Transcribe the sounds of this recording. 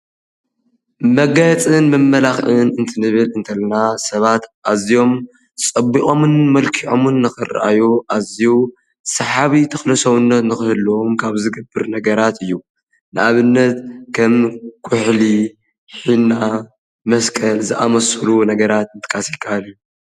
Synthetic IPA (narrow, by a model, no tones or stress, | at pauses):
mɐɡɐjt͡sʼɨnmɐmːɐlaxʔɨnɨnt̪ʰɨnɨβɨlɨnt̪ʰɐlɐnasɐβat̪ʔazijo̞m | t͡sʼɐbːiʔʼo̞mɨnmɐlkʰiʕo̰mɨnːɨxɨr̰ʔa̰juʔaziju | sɐħaβit̪ʰɐxlɐsɐβɨnːɐt̪nɨxɨhɨlomkʰaβzɨɡɐbːɨɾnɐɡɐɾat̪ʰɨjːu | nɨʔaβɨnːɐt̪kʰɐmkʰʊħli | ħina | mɐskʼɐlzɨʔamɐsɨlunɐɡɐɾat̪̚ɨnt̪ʰɨ̥kʼasikʰaalju